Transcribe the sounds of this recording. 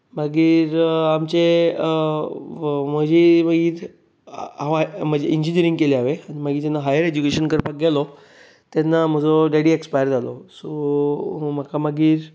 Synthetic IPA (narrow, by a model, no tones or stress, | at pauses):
məɡiːɾamt͡ɕe | m̤əd͡ʑiːm̤əɡiːɾ | aam̤əd͡ʑeʔiɲd͡ʑiniəɾĩŋɡkeleaʋeañimaɡiːt̪anːaɦajəɾed͡ʑukeɕənkəɾpak̚ɡalɔ | t̪janːam̤əd͡zoɖeɽiekspajəɾd͡zʱalɔso | m̤əkʰaməɡiːɾ